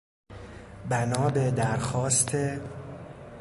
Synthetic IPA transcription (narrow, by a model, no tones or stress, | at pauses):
bænɒːbed̪æɾxɒːst̪ʰe